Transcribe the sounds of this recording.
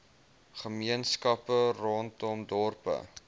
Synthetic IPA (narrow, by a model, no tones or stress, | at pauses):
χəmiənskɐpərɔntɔmdɔrpə̰